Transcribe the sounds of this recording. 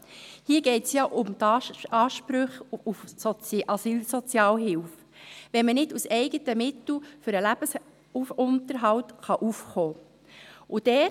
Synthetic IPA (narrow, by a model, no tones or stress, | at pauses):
hiːəɡɛɪtsjɑʔʊmt̪ɑːʃpɾʏχufsɔt͡sʔɑsiːlsɔt͡sjɑːlɦɪlf | ʋɛnmənɪdusɛɪɡətəmɪt̪l̩fʏɾəlæb̥əs | ufʊntəɾɦɑltχɑʔufχoː | ʔud̥ɛ